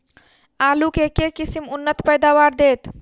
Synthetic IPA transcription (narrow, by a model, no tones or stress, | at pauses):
alukekekisimunːət̪pəjd̪awaɾd̪et̪